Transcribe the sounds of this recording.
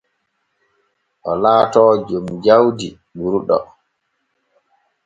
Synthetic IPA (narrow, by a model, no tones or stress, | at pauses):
ʔɔlaːtɔːd͡ʒomd͡ʒawdi | buɾuɗɔ̰